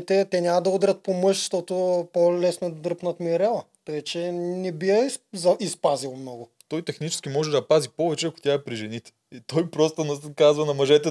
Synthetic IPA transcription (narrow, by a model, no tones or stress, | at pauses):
t̪ɛt̪ɛnʲamɐd̪ɐud̪ɾʲɐt̪̚pomɤʃʃt̪ɔt̪ʊpolɛsnod̪d̪ɾɤpnɐt̪miɾɛlˠɐ | t̪ojɛt͡ʃɛnɛbiɛzɐispazilˠmnɔɡʊ | t̪ɔjt̪ɛxnit͡ʃɛ̥skʲimɔʒɛd̪ɐpazipovɛt͡ʃɛɐko̥t̪ʲaɛpɾiʒɛnit̪ɛ̥ | it̪ɔjpɾɔst̪ənɐkazvɐnɐmɐʒɛt̪ɛ